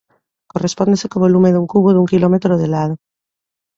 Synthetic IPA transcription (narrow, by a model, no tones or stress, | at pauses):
korespond̪esekoβolumeðuŋkuβoðeuŋkilomet̪ɾoðelað̞o